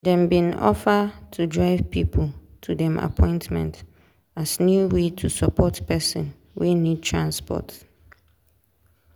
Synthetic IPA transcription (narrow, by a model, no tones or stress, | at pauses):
dɛ̃mbĩnɔ̰fatʰudɹaɪvpʰipʰltʰudɛ̃ma̰pʰɔ̃ɪ̃ntmɛ̰̃nt | asnjuwetʰusapʰɔtpɛsɔ̃n | winĩd̚tʰɹãnspɔ̰t